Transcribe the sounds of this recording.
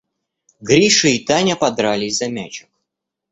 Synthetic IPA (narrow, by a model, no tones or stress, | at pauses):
ɡɾʲiʂɨit̪anʲɐpɐd̪ɾalʲɪsʲzɐmʲæt͡ɕɪk